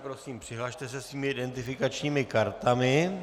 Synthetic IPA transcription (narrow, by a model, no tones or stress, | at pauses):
pɾo̞siːmpr̝̥ɪɦlaʃt̪ɛsɛsviːmɪɪdɛnt̪ɪfɪkat͡ʃɲiːmɪkaɾt̪amɪ